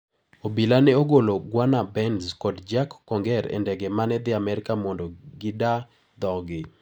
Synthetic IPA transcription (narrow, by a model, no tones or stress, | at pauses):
obilanɛoɡoloɡwanabɛnzkɔdd͡ʒakːɔŋɡɛɾɛ̰ndɛɡɛmanɛd̪ɪamɛɾɪkamɔndɔɡɪda | d̪ɔɡɪ